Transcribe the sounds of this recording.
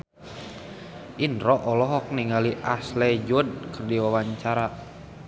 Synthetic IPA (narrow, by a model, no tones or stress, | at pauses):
ʔinrɔʔɔlɔɦɔk̚niŋaliʔaslɛd͡ʒud̚kərdiwawaɲt͡ʃaɾa